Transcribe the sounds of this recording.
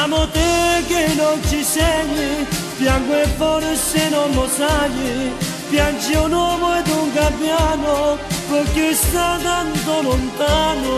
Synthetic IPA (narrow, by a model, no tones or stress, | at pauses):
amot̪ekenont͡ʃiseɲːi | pjaŋɡwevːɔlesenonːosaɲi | pjant͡ʃiunwɔːmoɛd̪uŋkampːjaːnopokːɪst̪at̪ant̪olont̪aːno